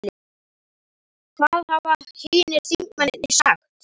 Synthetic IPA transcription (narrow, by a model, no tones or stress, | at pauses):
lɪ | kʰvaðhavahijnɪɾθiŋkmanɪt̪nisaxt̪